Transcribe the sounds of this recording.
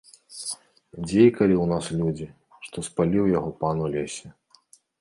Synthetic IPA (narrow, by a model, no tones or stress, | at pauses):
d͡zʲejkɐlʲiwnaslʲud͡zʲi | ʂt̪ɔspalʲiwjaɣɔpanulʲesʲɛ